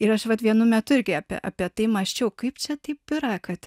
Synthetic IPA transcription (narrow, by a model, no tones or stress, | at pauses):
ɪɾɐʃʋɐt̪ʋʲiɛnʊmʲɛt̪ʊɪɾʲɡʲɪɑpʲḭʔɑ̰ːpʲiɛt̪ɐɪmɐʃʲt͡ʃʲɛʊkɐɪpt͡ʃʲɛt̪ɐɪp̚bʲɪɾɑkɐt̪